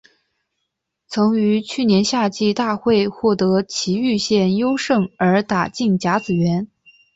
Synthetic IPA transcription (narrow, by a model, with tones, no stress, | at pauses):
t͡sʰɤ˧˥ŋy˧˥t͡ɕʰy˥˩njɛ˧˥nɕja˥˧t͡ɕi˥˧t̪a˥˧xwe˥˧ɪxwɔ˥˩t̪ɤ˧˥t͡ɕʰi˧˥y˥˧ɕjɛ˥˩njo˥ʊʂɤ˥˩ŋə˞˧˥t̪a˨˩t͡ɕi˥˩ŋt͡ɕja˧˥t͡sɹ̩˨˩ɥɛ˧˥n